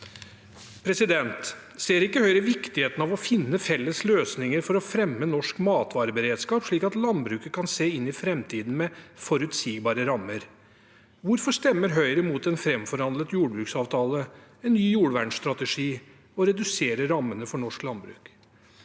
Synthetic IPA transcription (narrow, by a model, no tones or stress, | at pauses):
pʰɾɛsɪd̪ɛnt̪ | seːɾɪkːəhœʏɾəʋɪkt̪ɪheːt̪ən̩ɑʋɔfɪnːəfɛlːəsløːsnɪŋəɾfɔɾɔfɾɛmːənɔʂkmɑːt̪ʰʋɑːɾəbəɾeːd̪skɑːpʂɭiːkɑt̪lɑnbɾʉːkəkʰɑnseːɪnːɪfɾɛmt̪ʰiːd̪n̩mɛfɔɾʉt̪siːɡbɑːɾəɾɑmːəɾ | ʋʊɾfɔʂt̪ɛmːəɾɦœʏɾəmuːt̪ɛnfɾɛmfɔɾhɑnd̪lət̪juːɖbɾʉːksɑːʋt̪ʰɑːləɛnːyːjuːɽʋæɳsst̪ɾɑt̪əʂiː | ɔɾɛd̪ʉseːɾəɾɑmːənəfɔɳɔʂklɑnbɾʉ̰ːk